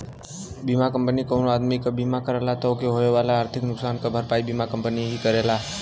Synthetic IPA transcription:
bimakəmpənikonoad̪mikbimakəɾelat̪okeɦojoʋalaːɾt̪ʰɪknʊksankəbʱəɾpaibimakəmpənieɦikəɾela

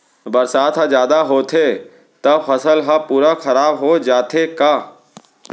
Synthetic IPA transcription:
bɐɾsaːt̪ʰɦazjaːd̪aɦoːt̪ʰe | t̪ɐbfɐsəlɦapuːɾaxɐɾaːbɦod͡ʒaːt̪ʰekaː

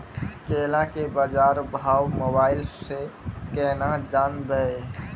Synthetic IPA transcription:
kelãkebəd͡ʒaɾbʱawmobailsekenad͡ʒanbɛ

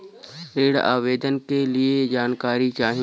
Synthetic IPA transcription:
ɾeːɽa̰ːʋeːd̪ənkelied͡ʒaːnkaːɾit͡ʃaːɦ

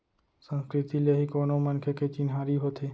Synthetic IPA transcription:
sə̃nskɾɪt̪ileɦikoːnomənkʰeket͡ʃɪnɦaːɾiɦot̪ʰeː

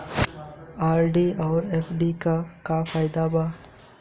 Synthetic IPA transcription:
aːɾɖiɔːɾeːpɖikakafaːɪd̪aba

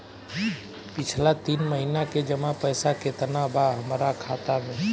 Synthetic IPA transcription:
pɪt͡ʃʰlat̪iːnməɦinaked͡ʒəmapəjsaket̪ənabaɦəmɾakʰaːt̪amẽː

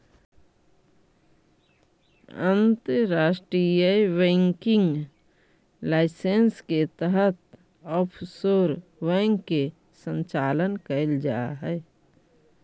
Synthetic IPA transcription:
ə̃nt̪əɾaːʃʈɾijəwẽːŋkɪ̃ŋɡ | laːɪsensket̪əɦət̪̚ | ɔːpʰsoːɾwɛ̃ːŋɡe | sə̃ɲt͡ʃaːlənkəld͡ʒa̰ːɦɛː

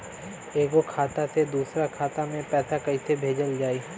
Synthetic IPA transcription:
eːɡokʰaːt̪at̪ʰed̪uːsɾakʰaːt̪amẽpɛːt̪akɐit̪ʰebʱeːd͡ʒəld͡ʒaːiː

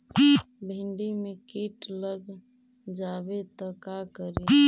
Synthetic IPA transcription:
bʱɪ̃ɳɖimekiʈləɡ | d͡ʒaːbet̪əkakəɾe

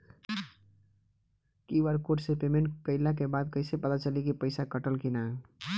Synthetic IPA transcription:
kiʋəɾkoʈsepemẽɳʈkəɪlak̬ebad̪kəɪsepət̪at͡ʃəlikipəɪsakəʈəlkina

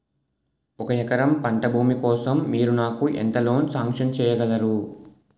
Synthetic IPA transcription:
ɔkɐɛkɐɾɐmpɐɳʈɐbʱuːmikɔːsɐmːiːɾunaːkuʔḛnt̪ɐlo̞ːnusaːŋkʂɐnt͡ʃɛːjɐɡɐlɐɾu

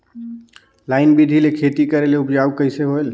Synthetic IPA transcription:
laɪnbid̪ʱilekʰet̪ikəɾeleupd͡ʒaukəɪseɦoel

